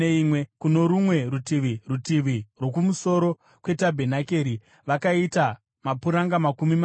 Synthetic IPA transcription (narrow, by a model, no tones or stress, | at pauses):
imwekuno̞ɾumwe̞ɾutiʋirutiʋirwo̞kumuso̞ɾo̞ | kwe̞tabʱe̞nake̞ɾi | ʋakaita | mapuɾaŋɡamakumim